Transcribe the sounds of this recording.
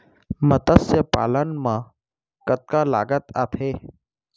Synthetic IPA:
mət̪əsjəpa̰ːlənmã | kət̪̚kala̰ːɡət̪a̰ːt̪ʰeː

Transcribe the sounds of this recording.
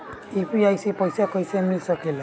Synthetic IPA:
ipiajsipɔjsakojsɛmisɔkʰila

